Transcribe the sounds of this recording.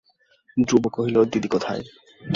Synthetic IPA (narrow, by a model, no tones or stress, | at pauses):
d̪ɾubokoɦilod̪id̪ikot̪ʰa̰e